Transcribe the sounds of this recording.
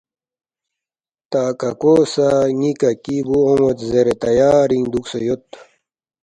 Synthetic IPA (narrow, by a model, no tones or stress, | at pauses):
t̪aːkɐkoːsaŋikɐkibuomot̪zeɾet̪ɐjaːɾiŋd̪uksejot̪